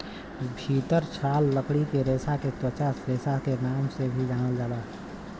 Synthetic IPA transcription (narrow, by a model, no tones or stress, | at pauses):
bʱiːt̪əɾt͡ʃʰaːlːəkɽikeɾeːsaket̪ət͡ʃaːsɾeːsakenaːmsebʱid͡ʒʱaːnəld͡ʒaːlaː